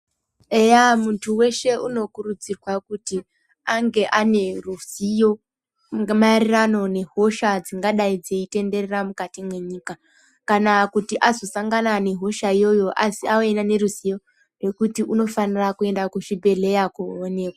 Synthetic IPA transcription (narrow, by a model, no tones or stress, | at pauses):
ejamuntʰuwe̞ʃe̞uno̞kurud͡zirwakuti | aŋɡe̞ʔane̞rusijo̞ | marirano̞ne̞ɦo̞ʃad͡ziŋɡaɗaid͡zeite̞nde̞reramukatimwe̞ɲiːka | kanakutiʔazo̞saŋɡanane̞ɦo̞ʃaijo̞jo̞ʔasiaoenane̞ɾusijo̞ | re̞kutiʔuno̞fanirakue̞ndakuʃibʱe̞le̞jakuone̞ːkwa